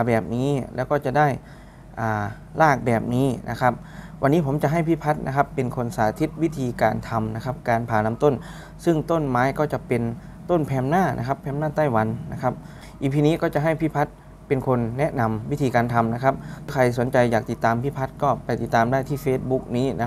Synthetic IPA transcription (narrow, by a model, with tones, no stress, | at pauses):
pʰaː˨˦bɛː˨˩p̚niː˦˥lʔɛ̰ː˦˥wkɔː˥˩t͡ɕa˨˩daː˥˩j | ʔaː˨˩ | laː˥˩k̚bɛː˨˩p̚niː˦˥nʔa̰˦˧kʰa˦˥p̚wa˧nːiː˦˥pʰo˩˦mt͡ɕa˨ʔɦa˥˩jpʰi˦˧˥pʰa˦˥t̪̚na̰˧˥kʰa˦˥pːe˧nkʰo˧nsaː˨˩˦t̪ʰi˦˥t̪̚wi˦˥t̪ʰiː˧kaː˧nt̪ʰa˧mna˧˥kʰa˦˥p̚kaː˧npʰaː˨˦na˧˦mt̪o˥˩n | sɯ˥˩ŋt̪o˥˩˨nmaː˨˦˥jkɔː˧˥˩t͡ɕa˧˦pe˧n | t̪o˥˩˨npʰɛː˧˥mnaː˥˩nʔa̰˦˥kʰa˦˧˥pʰːɛː˧˥mnaː˥˩t̪a˥˩jwa˨˦nːa˦˥kʰa˦˥p̚ | ʔiː˨˧˩pʰiː˧niː˦˥kɔː˥˩t͡ɕa˨˩ʔɦa˧˥˩jpʰiː˧˥˩pʰa˦˥t̪̚ | pe˧nkʰo˧nːɛ˦˥na˧mwi˦˥t̪ʰiː˧kaː˧nt̪ʰa˧mna˦˥kʰa˦˧˥p̚kʰa˧jso˨˦nt͡ɕa˧jaː˨˩k̚t̪i˨˩t̪ːaː˨˧mpʰiː˧˥˩pʰa˦˥t̪̚kɔː˧˩pa˧jt̪i˨˩t̪ːaː˨˧mdaː˥˩jt̪ʰiː˥˩feː˦˥t̪̚bu˦˥k̚niː˦˥n˦˥